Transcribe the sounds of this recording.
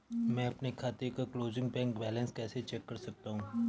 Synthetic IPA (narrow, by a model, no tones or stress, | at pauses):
mɛ̃ːɐpnekʰaːt̪ekakloːzɪ̃ŋɡ̚bɛ̃ːŋkbɛːlə̃nskɛːset͡ʃɛːkːɐɾsɐk̚t̪aɦũː